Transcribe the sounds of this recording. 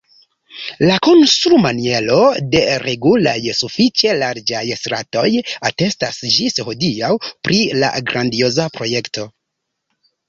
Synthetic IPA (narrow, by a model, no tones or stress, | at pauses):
lako̞nstɾumanie̞lo̞de̞ɾe̞ɡula̰jsufit͡ʃe̞laɾd͡ʒajsɾa̰to̞jate̞stasd͡ʒisho̞diawpɾila̰ɡɾʔandio̞zapɾo̞je̞kto̞